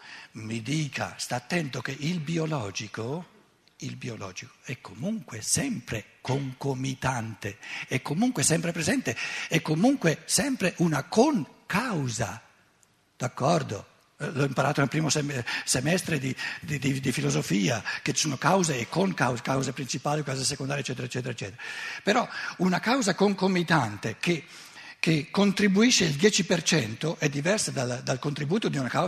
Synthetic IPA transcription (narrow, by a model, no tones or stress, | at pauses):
mid̪iːkʰa̰st̪aːt̪ːɛnt̪ok̟eʔilbiolɔːd͡ʒiko | ilbiolɔ̰ːd͡ʒiko̥ɛkʰːomuŋkwesɛmpɾekoŋkomit̪ant̪eɛkːomuŋkwesɛmpɾepɾezɛnt̪eɛkːomuŋkwesɛmpɾeʔunakoŋkawza̰ | d̪̥akːɔrd̪o̰ | lɔimpaɾaːt̪onelpɾiːmosesemɛst̪ɾed̪id̪id̪id̪ifilozofiːa̰ket͡ʃi̥suːnokawzeːkːoŋkawzkawzepɾint͡ʃipaːliukawzasekond̪aɾjeɛt͡ʃːɛːt̪eɾaet͡ʃːɛːt̪eɾaet͡ʃːɛ̰ːt̪eɾapeɾɔunakawzakoŋkomːit̪ant̪eke | kekːont̪ɾibuiʃːeild̪jɛːt͡ʃipert͡ʃɛnt̪oʔɛd̪ːivɛrsad̪ald̪alkont̪ɾibuːt̪od̪iunaka